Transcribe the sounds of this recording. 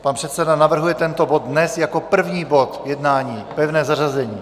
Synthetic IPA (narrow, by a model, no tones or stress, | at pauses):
panpr̥ɛt̪sɛdanavr̩ɦujɛt̪ɛnt̪o̞bo̞d̪̚dnɛsjako̞pr̩vɲiːbo̞t̪jɛdnaːɲiːpɛvnɛːzarazɛɲiː